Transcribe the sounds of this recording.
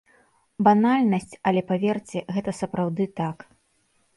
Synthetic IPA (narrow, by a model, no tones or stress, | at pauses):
banalʲnɐsʲt͡sʲɐlʲɛpavʲɛrt͡sʲɛɣɛt̪ɐsɐpɾawd̪ɨt̪ak